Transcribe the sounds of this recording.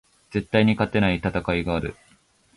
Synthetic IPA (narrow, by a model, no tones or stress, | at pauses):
d͡ze̞t̪ːaiɲ̟ikat̪ːe̞nait̪at̪akaiɡaːɾɯ̟̰